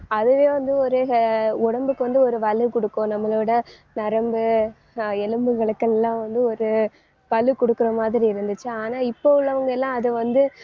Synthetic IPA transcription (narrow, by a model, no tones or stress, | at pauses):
ɐðɯʋeːʋɐnd̪ɯɔɾɯʊɽɐmbɯkːɯʋɐnd̪ɯɔɾɯʋɐlɯkɔɽɯkːõːnɐmːɐɭʋɪɽɐ | nɐɾɐmbɯ | ɛlɯmbɯɣɐɭɯkːɛlːãːʋɐnd̪ɯɔɾɯ | pɐlɯkɔɽɯkːɯɾɐmaːðɪɾiɪɾɯnd̪ɯt͡ʃːɯaːnaːɪpːoʊlːɐʋɐŋɡɐɛlːãːɐðɯʋɐnd̪ɯ